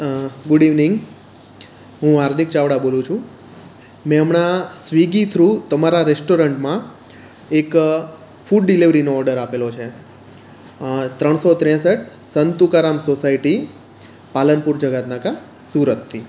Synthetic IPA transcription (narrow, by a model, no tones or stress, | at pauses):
ɡʊɖiʋniŋɡ | ɦũaɾd̪ʱikt͡ʃaʋɽabolũt͡ʃʰũ | mɛ̃əmɳasʋiɡit̪ʰɾut̪əmaɾaɾesʈoɾəɳʈmã | ek | fuɖɖiliʋɾinoɔɾɖəɾapelot͡ʃʰe | t̪ɾəɳ̃sot̪ɾɛ̃səʈ | sənt̪ukaɾamsosaiʈi | palənpuɾd͡ʒəɡat̪naka | suɾət̪ʰːi